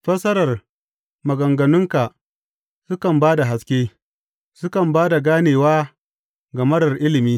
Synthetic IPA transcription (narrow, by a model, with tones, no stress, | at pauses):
ɸɐ˦sɐ˦ɾɐ˨r | mɐ˨ɡɐ˨ŋɡɐ˨nʊ˦ŋka˨ʔ | sʊ˦kɐ˨mbaː˦da˨ɦa˦skʲeː˦ | sʊ˦kɐ˨mbaː˦da˨ɡaː˦neː˨waː˦ | ɡɐ˨mɐ˦dɐ˨rʔɪ˦lɪ˨miː˦